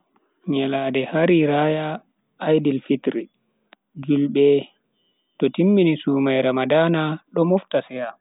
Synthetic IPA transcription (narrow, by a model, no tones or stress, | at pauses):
ɲɛladɛhaɾiɾajaː | jdilfitɾi | d͡ʒulɓɛ | tɔtimːinisumajɾamadaːnaɗɔmɔftasɛja